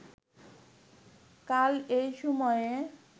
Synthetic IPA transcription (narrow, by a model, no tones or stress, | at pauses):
kalejʃɔmɔee